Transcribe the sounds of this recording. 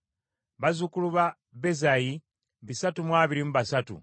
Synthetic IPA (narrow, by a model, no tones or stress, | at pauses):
βazukuluβa | be̞zaji | βisatumwaːβiɾimuβasatṵ